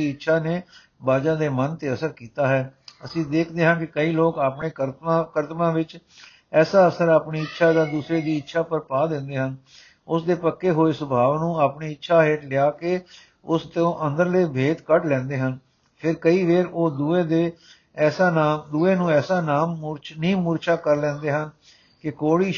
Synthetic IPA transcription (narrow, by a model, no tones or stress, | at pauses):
iːɪtːʃʰaːneː | baːd͡ʒãːd̪eːmənt̪eːəsəɾkiːt̪aːɦɛːəsĩːd̪eːkʰd̪eːɦãːkɪkəiːloːkaːpɳeːəɾakəɾt̪mãːʋɪt͡ʃ | ɛːsaːəsəɾaːpɳiːɪtːʃʰaːd̪aːd̪uːsɾeːd̪iːɪtːʃʰaːpəɾpaːd̪ɪ̃nd̪eːɦən | ʊsd̪eːpəkːeːɦoːeːsʊbʱaːʋnũːaːpɳeːɪtːʃʰaːɦeːʈlɪaːkeː | ʊst̪õːʔə̃nd̪əɾleːbʱeːd̪kəʈlɛ̃ːnd̪eːɦən | pʰɪɾkəiːʋeːɾoːd̪ueːd̪eː | ɛːsaːnaːd̪uːeːnũːɛːsaːnaːmːɾt͡ʃnĩːmuːɾt͡ʃaːkəɾlɛ̃ːnd̪eːɦən | kɪkoːɽiː